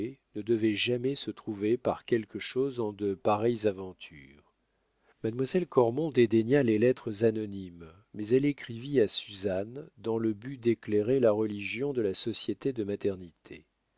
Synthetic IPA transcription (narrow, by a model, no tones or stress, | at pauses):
nəd̪əvɛʒamɛsət̪χuvepaʁkʲɛlkəʃozɑ̃d̪əpaʁɛjzavɑ̃t̪ʰy̰ːʁ | mad̪mwazɛlkɔʁmɔ̃d̪ed̪eɲalelɛt̪χəzanɔnim | mɛzɛlekχiviasyzand̪ɑ̃ləbyd̪ekleʁelaʁəliʒjɔ̃d̪əlasɔsjet̪ed̪əmat̪ɛʁnit̪ʰḛ